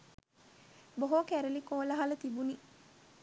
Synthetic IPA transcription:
boɦokæɾelikoːlɐɦalət̪ibuni

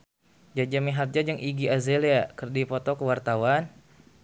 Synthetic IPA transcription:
d͡ʒad͡ʒamiɦat̪̚d͡ʒad͡ʒaŋʔiɡiazeliakərdipɔt̪ɔkəwart̪awan

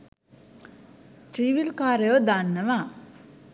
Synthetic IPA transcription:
ʈɾiʋilkaːɾəjod̪anːəʋa

